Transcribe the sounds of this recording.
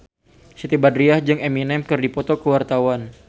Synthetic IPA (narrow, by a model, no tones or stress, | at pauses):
sit̪ibadɾiahd͡ʒɨŋeminɛmkɨrdipɔt̪ɔkəwart̪awan